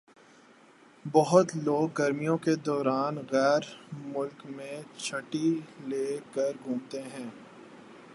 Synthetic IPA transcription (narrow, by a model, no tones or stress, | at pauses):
bɔɦʊt̪loːɡːɐɾmijõked̪ɔːɾaːnɣɛːɾmʊlkmẽt͡ʃʰɐʈileːkəɾɡʱũːmt̪eɦɛ̃ː